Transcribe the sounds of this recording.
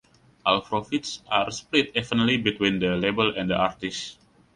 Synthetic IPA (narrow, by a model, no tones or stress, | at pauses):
ʔa̰lfɾofitsʔarsplit̪̚ɛfənlibit̪wĩndəlebəlɛ̃ndəʔart̪is